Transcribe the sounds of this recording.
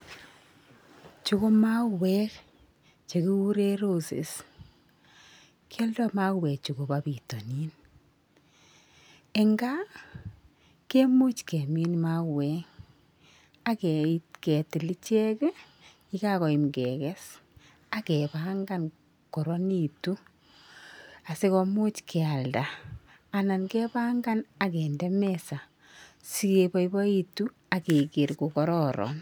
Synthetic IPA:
t͡ʃu˦ko˦ma˦wɛ˦k | t͡ʃe˨ki˦wu˦ɾe˦ɾo˦sḛ˨s | kʰjɔ˦ldɔ˦ma˦kwɛ˨k̚t͡ʃu˨ɡo˨ba˨bi˨to˨ni˦n | e˨ŋɡa˦ | ke˦mo˦t͡ʃkɛ˨mi˦n˨ma˦wɛŋ | a˨kɛ˨tkɛ˨tɪ˨li˦t͡ʃɛ˦kɛ˦ | i˦ka˦kɔ˨i˨mkɛ˨kɛ˦s | a˨kɛ˨pa˦ŋɡa˦n | kɔ˨ɾɔ˦ni˦tu˦ | a˨se˦kɔmu˦t͡ʃkʰɛ˨a˨ldaː˨ | na˨nkɛ˦pa˦ŋɡa˦na˨kɛ˨ndɛ˦mɛsa˨ | si˦ke˨ba˦ibɔ˦i˦tu˦ | a˨ke˨ki˨ɾko˨kɔ˦ɾɔ˦ɾɔ̰˨n

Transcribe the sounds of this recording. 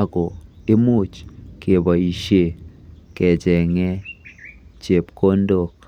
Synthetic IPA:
ɡɔ˨e˦mu˦˨t͡ʃkʰe˨ba˨i˨ʃe˦˨kɛ˨d͡ʒɛ˨ŋɛ˦ | t͡ʃe˨pko˦ndo˨k̚

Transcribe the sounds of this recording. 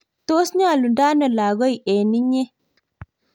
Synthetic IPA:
to˦sɲa˦˨lu˨nda˦nɔ˨la˨ɡɔ˦i˨ʔe˨ni˦ɲe˦

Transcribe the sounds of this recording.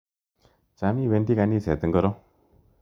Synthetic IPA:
t͡ʃa˦mi˦ʋe˧nt̪i˦ka˧niː˦sʰe˨t̪ə˦ŋɡəɾo˦

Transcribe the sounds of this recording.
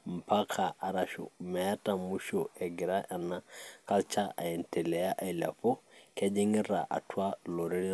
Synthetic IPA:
m̩˨pa˦kʰa˨a˨ɾaʃo̰˨ma˨ja˦ta˨mu˦ʃo˨e˨ɡi˨ɾa˦ʔa˨nːa˦ka˦lt͡ʃa˦a̰˨je˨nte˨le˨ja˦ʔa˨i˨la̰˨fo˦ke˦d͡ʒi˦ŋi˦ɾa̰˨ʔa̰˨tu˦a˦lo˨ɾe˦li˦

